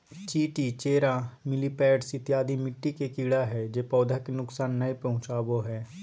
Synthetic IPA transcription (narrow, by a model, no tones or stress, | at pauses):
t͡ʃiːʈiːt͡ʃeːɾaːmɪliːpɛːɖsɪt̪ɪjaːd̪imɪʈːikekiːɽaɦɛːd͡ʒeːpɔːd̪ʱaːkenʊksaːnːəepɐɦʊ̃t͡ʃaːboɦɛː